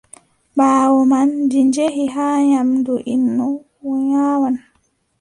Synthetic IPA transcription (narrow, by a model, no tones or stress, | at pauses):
baːwɔmandiɲd͡ʒeɦiɦaːɲamduʔinːɔ | wɔɲaːwan